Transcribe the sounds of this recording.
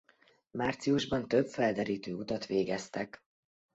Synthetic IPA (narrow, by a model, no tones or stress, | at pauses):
maːrt̪sijuʒbɒnt̪øbfɛld̪ɛɾiːt̪øːut̪ɒt̪ʋeːɡɛst̪ɛk